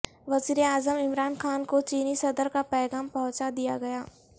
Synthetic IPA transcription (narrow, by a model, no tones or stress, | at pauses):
ʋɐziːɾeaːzəmɪmɾaːnxaːnkot͡ʃiːnisɐd̪əɾkapɛːɡaːmpɐ̃ɦʊ̃t͡ʃad̪ijaɡɐjaː